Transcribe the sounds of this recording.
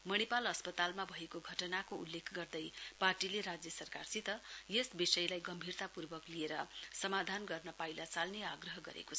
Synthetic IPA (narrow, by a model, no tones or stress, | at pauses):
mʌnipalʌspʌt̪almabʱʌɦekoɡʱʌʈʌnakoulːekʰɡʌrd̪ʌjparʈileɾad͡zjʌsʌrkarsit̪ʌjesbisʌjlajɡʌmbʱirt̪apurbʌklieɾʌsʌmad̪ʱanɡʌrnʌpajlat͡salneaɡrʌɦʌɡʌ̰ɾḛkot͡sʰ